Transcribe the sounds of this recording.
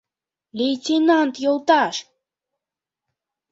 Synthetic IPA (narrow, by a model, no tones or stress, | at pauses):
lʲejtʲenɑnt̪jolˠt̪ɑʃ